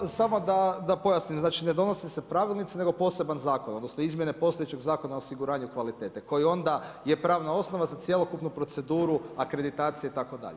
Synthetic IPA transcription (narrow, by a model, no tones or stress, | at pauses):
samo̞d̪ad̪apo̞jasnimznaːt͡ʃine̞d̪o̞no̞sisepɾaʋilˠnit̪sine̞ɡo̞po̞se̞banzaːkonod̪nosno̞izmje̞ne̞po̞st̪ojet͡ʃe̞ɡzaːko̞naosiɡuɾaːɲukʋalit̪e̞ːt̪eko̞jio̞nd̪aje̞pɾaːʋnao̞sno̞ʋazat̪sje̞lo̞kupnupɾo̞t̪se̞d̪uːɾuakɾe̞d̪it̪aːt̪sije̞it̪ako̞d̪a̰ʎe